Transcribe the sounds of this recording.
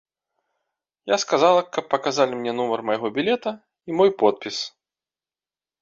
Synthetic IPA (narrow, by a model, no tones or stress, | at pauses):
jaskazalˠɐkɐpːɐkazalʲimnʲɛn̪umɐrmɐjaɣɔbʲilʲɛt̪ɐ | imɔjpɔt̪̚pʲis